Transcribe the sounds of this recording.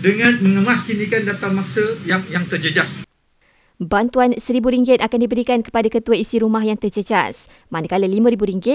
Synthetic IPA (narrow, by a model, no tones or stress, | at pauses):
dəŋãnmə̃ŋəmaskinĩkandat̪amasəjaŋjaŋt̪ərd͡ʒəd͡ʒas | bant̪uansəɾibuɾiŋɡɪt̪̚akandibəɾikankə̥padakət̪uaisiɾumahjaŋt̪ərd͡ʒəd͡ʒa̰s | manakaləlimãɾibuɾiŋɡɪt̪̚